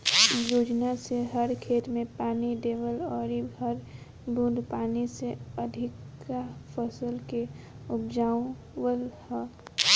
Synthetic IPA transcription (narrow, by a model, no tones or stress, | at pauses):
joːd͡ʒnaseɦəɾkʰet̪mẽpaːniɖ̪eːʋəlɔːɾiɡʱəɾ | bũd̪paːniseəd̪ʱɪkːapʰəsəlke | ʊpd͡ʒaːõ | wəlh